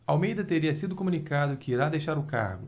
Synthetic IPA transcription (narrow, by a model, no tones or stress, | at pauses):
awmejd̪ɐt̪eɾiɐsid̪ʊkomũnikad̪ʊkɪiɾad̪ejʃaɾʊka̰ɾɡʊ